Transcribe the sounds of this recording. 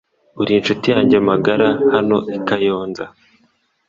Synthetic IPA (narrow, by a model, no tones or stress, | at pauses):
uɾinʃutijaːɲɟemaɡaɾahano̞̰ikajo̞ːnza